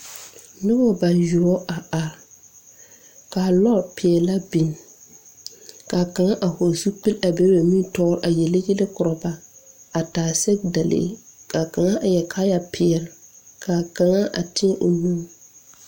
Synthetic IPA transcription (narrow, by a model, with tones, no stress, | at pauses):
nɪ˦bɔ˦ba˨ju˨ɔ˦ʔa˨a˨ɾ | kaː˨lɔ˦pʰɪ˨ɛ˨la˦bi˨n˨ | ka˨ka˨ŋa˦ʔa˨hɔ˨zu˦k͡pi˦la˨be˦ɾba˨mĩ˦n˦tɔ˦ɾʔa˨jɛ˨le˦ɡe˦le˦kʊ˨ɾɔ˨ba˦a˨taː˨sɛ˦k̚da˨lḛ˦ka˨ka˨ŋa˦ʔa˨jɛ˨kʰaː˦ja˦pʰɪ˨ɛ˨lkʰa˨ka˨ŋa˦ʔa̰˨tɪ˦ɛ˦ʔo˨nu˦m˦